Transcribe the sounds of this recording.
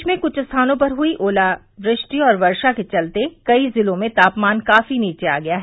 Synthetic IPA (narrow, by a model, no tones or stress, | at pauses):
t͡ʃmẽkʊt͡ʃʰst̪ʰaːnõpɐɾɦʊiʔoːla | ʋɾɪʃʈiɔːɾʋɐɾʃaket͡ʃɐlt̪ekɐizɪlõmẽt̪aːpmaːnkaːfiniːt͡ʃea̰ːɡɐjaːɦɛ